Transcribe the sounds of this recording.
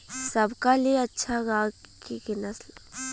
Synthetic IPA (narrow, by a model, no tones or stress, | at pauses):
sɐbkalijeɐtːʃʰaɡaːkikɪnəsl